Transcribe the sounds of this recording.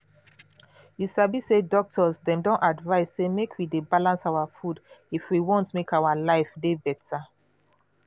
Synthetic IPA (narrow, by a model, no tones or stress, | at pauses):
hisabisedɔk̚tʰɔsdɛ̃mdɔ̃nʔadvaɪssemekʰwidebalãnsaʊwafudifwiwɔ̃ntmekaʊwalaɪfdebɛtʰa